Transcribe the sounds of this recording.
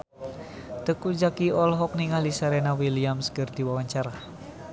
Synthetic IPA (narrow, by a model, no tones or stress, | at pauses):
t̪əkud͡ʒakiɔlɦɔk̚niŋalisaɾenawiliamskərd̪̥iwawaɲt͡ʃaɾa